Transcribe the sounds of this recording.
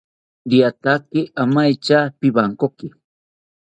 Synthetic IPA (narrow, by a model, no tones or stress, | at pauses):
d̪iat̪akɪʔamajt͡ʃapɪbaŋkokɪ